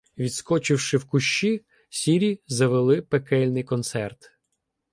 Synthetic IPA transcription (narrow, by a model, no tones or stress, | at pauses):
ʋʲid̪skɔt͡ʃɪwʃɪwkʊʃt͡ʃi | sʲiɾʲizɐʋelˠɪpekɛlʲnɪjkɔnt̪sɛrt̪